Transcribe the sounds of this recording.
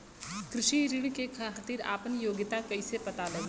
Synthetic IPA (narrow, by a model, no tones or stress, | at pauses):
kɾɪʃiɾɪɽ̃kekʰaːt̪ɪɾa̰ːpənjoːɡɪt̪akɐisepɐt̪alɐɡ